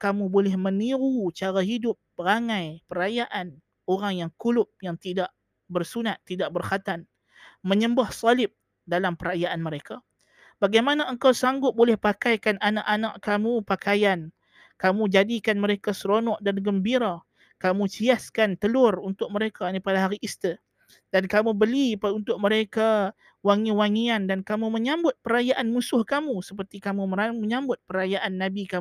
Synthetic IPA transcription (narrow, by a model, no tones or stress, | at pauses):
kamũbolɛhmə̃niɾut͡ʃaɾaɦidʊp̚ːəɾaŋãjpəɾajaʔan | oɾaŋjaŋkulʊp̚jaŋt̪idaʔ | bərsunat̪ːidaʔ̚bərhat̪an | mə̃ɲəmbahsalɪp̚ | dalampəɾajaʔanmə̃ɾeka | b̥aɡajmanaəŋkawsaŋɡʊt̪̚bolɛhpakajkananaʔanaʔkamũpakajan | kamũd͡ʒadikanməɾekasəɾonɔʔdanɡəmbiɾa | kamũt͡ʃiaskant̪əlʊrunt̪ʊk̚məɾekanipadaɦaɾiʔist̪ə | dankamubəlipunt̪ʊʔ̚məɾeka | waŋiwaŋiandankamumə̃ɲambʊt̪̚pəɾajaʔanmũsʊhkamũsəpərt̪ikamuməaməɲãmbʊt̪̚pəɾajaʔanːabikamu